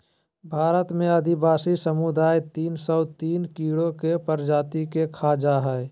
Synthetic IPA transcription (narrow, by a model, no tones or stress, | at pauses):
bʱaːɾət̪mẽəd̪ʱɪbaːsisəmud̪aːjt̪iːnsɔːt̪iːnkiːɽokepəɾd͡ʒaːt̪ikekʰad͡ʒaɦɛɛ